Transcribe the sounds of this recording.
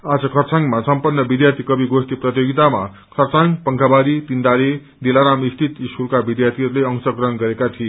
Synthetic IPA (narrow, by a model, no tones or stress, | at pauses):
ad͡zʌkʰʌrt͡saŋɡmasʌmpʌnːʌbid̪jart̪ʰikʌbiɡost̪iprʌt̪joɡit̪ama̰ | kʰʌrt͡saŋpʌŋkʰabaɾit̪ind̪aɾe | d̪elaɾamist̪ʰit̪isurkabid̪jart̪ʰiɦʌɾuleʌŋsʌkrʌɦʌnɡʌɾekat̪ʰie